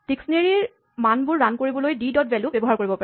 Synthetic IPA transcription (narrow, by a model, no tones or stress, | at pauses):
tiksneɹiɹ | manbʊɹːankoɹibɔlojdidɔtbɛlubɛbɔɦaɹkoɹibɔpa